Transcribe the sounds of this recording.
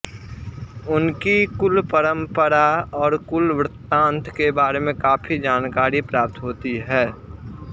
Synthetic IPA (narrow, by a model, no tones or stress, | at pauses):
ʊnkikʊlpəɾə̃mpəɾaɔːɾkʊlʋɾɪt̪ːãːnt̪ʰkebaːɾemẽkaːpʰid͡ʒaːnkaːɾipɾaːp̚t̪ɦoːt̪iɦɛː